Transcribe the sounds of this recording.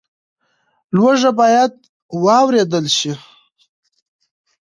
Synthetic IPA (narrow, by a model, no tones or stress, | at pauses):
lwaʐabɑjad̪̚ | wɑwɾed̪əlʃi